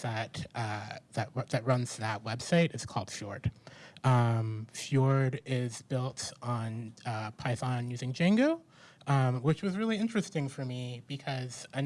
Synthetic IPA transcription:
ðɨt̪̚ʔʌðɨt̚ðɨt̚ɹʌ̃nz̥ðɨt̚wɛb̥saɪɾɨz̥kʰɔ̰lˠd̥fjɔ̰ɹd̥ʔʌ̃mfjɔɹɾɪzbɪlˠtn̩ʌpʰaɪθɑ̃njʉzɪ̃ŋd͡ʒæ̃ŋɡoʊ | ʌ̃mwɨt͡ʃwʌzɹɪlˠiɪ̃nt͡ʃɹ̥ɨstɪ̃ŋfə˞mib̥ɨkʰʌz̥ɨ

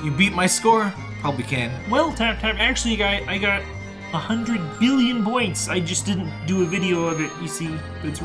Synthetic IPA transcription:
jɨbit̚maɪskɔɹ | hɛlˠpwikʰæ̃nwɛlˠtʰæp̚tʰæpæk̚t͡ʃʉl̩ˠiɡɑaɪɡɑɾ | əhʌ̃ndɹɨd̚bɪlˠjɨ̃npɔ̃ɪ̃ntsaɪd͡ʒʌsd̥ɪdⁿn̩d̥ɨɨvɪɾioʊʌvɨt̚jɨsi | b̥ʌɾɨts

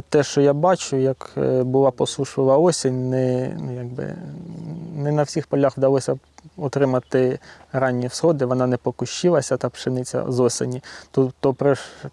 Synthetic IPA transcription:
t̪ɛʃt͡ʃɔjabɑt͡ʃʊjɐkbʊlˠɑpɔsˠuʃɪlˠɐɔsʲinʲnɛnujɑɡ̚bɪ̰ | nɛnɐwsʲixpɔlʲaxʋd̪ɐlˠɔsʲɐ | ɔt̪ɾɪmɐt̪ɪɾɑnʲːiwsxɔd̪ɪʋɔnɑnɛpɔkʊʃt͡ʃɪlˠɐsʲɐt̪ɑpʃɪnɪt͡sʲɐ̰zɔsʲɪ̰nʲit̪ut̪ːɔpɾɛʃ

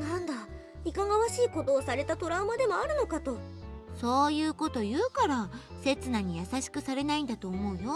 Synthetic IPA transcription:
nãnd̪a | ikaŋaβaɕiːko̞d̪o̞ːsaɾe̞t̪at̪o̞ɾaːmad̪e̞mo̞aɾɯ̟no̞kat̪o̞so̞ːjɯ̟ːko̞t̪o̞jɯ̟ːkaɾase̞t͡sɨnaɲ̟ijasaɕi̥kɯ̟saɾe̞naĩnd̪at̪oːmo̞ɯ̟jo̞

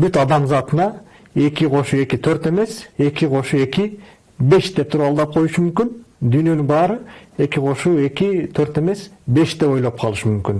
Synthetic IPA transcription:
byt̪ɑd̪ɑmzɑt̪ɯnɑ | e̞kʲiqʰo̞ʃue̞kit̪ʰøɾt̪e̞me̞se̞kʲiqʰo̞ʃue̞ki | be̞ʃt̪e̞p̚t̪ʰuɾɑlˠd̪ɑp̚qʰo̞juʃumymkynd̪yjnø̞nyŋbɑːɾɯe̞kʲiqʰo̞ʃuːe̞kʲit̪ʰøɾt̪e̞me̞sbe̞ʃt̪eo̞jlˠop̚qʰɑlˠɯʃɯmymkyn

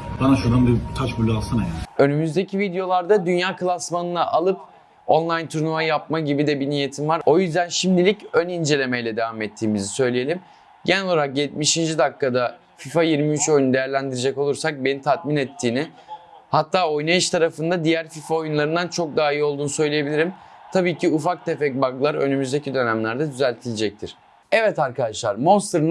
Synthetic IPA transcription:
banaʃuɾd̪anbit̪ʰat͡ʃbulʲˠalˠsanajø̞nymyzd̪e̞cʰivid̪ejo̞lˠaɾd̪ad̪ynjaːkʰɯlˠasmanɯnaʔalˠɯp | o̞nlˠajnt̪ʰuɾunuajap̚maɟibid̪ɛbinije̞t̪ʰimvaɾo̞jyzd̪ænʃimd̪ilʲicønind͡ʒe̞lʲe̞mejlʲɛd̪e̞vamɛt̪ʰːiːmizisø̞jlʲije̞lʲim | ɟenɛlooɾakjɛt̪miʃind͡ʒid̪akːad̪a | fifajiɾmiyt͡ʃo̞junud̪e̞jæɾlʲænd̪iɾed͡ʒɛko̞lˠuɾsak̚be̞nit̪ʰat̪minɛt̪ʰːiːnɪ | hat̪ʰːaːo̞jnaiʃt̪ʰaɾafɯnd̪ad̪ijæɾfifao̞junlˠaɾɯnd̪ant͡ʃʰo̞k̚d̪aːio̞lˠd̪uːnusø̞jlʲije̞bilʲiɾimt̪ʰabiːcʰiufak̚t̪ʰefɛc̚baɡlˠaɾø̞̰nymyzd̪e̞cʰid̪ø̞næmlʲæɾd̪ad̪yzælʲt̪ʰilʲed͡ʒɛc̚t̪ʰiɾ̥ | ɛvɛt̪aɾkʰad̪aʃlˠaɾmo̞nst̪ɾɯn

